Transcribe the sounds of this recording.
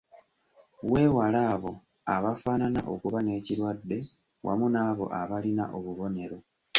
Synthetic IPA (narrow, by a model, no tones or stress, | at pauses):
we̞ːwalaːβo̞ | aβafaːnana̰ʔo̞kuβane̞ːciɾwadːe̞ | wʔa̰munaːβo̞̰ʔaβalinaʔo̞βuβo̞ne̞ɾo̞